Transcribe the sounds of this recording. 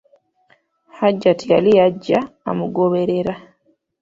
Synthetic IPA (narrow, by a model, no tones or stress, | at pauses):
haɟːatijalijaɟːa̰ːmuɡoβe̞ɾe̞ɾa